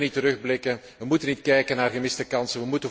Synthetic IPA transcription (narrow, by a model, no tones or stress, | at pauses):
nitəɾɵɣblɪkən | ʋəmutənitkɛjkənaːrɣəmɪstəkɑnsənʋəmutə